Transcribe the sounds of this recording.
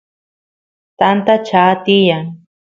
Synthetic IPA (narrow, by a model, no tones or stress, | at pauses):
t̪ant̪at͡ʃaːt̪ɪjaŋ